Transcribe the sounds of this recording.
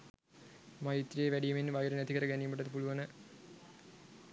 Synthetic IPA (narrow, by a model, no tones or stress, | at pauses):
majit̪ːrijeʋæɖijɐminʋɐjɾənæt̪ikəɾəɡænijmuʈ̬ːɐt̪əpuluʋɐnə